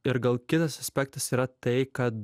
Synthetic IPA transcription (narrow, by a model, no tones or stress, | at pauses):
ɪɾɡɐlˠkʲɪt̪ɐsɐsʲpʲɛk̚t̪ɐsiːɾɐt̪ɐɪkɐt̪